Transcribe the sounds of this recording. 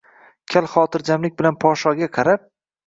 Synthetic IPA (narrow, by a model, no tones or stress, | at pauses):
kʲʰalˠχɒːt̪ɪɾd͡ʒamlɪk̚ʲbɪlanpʰɒʃɒɡʲaqʰɑɾap̚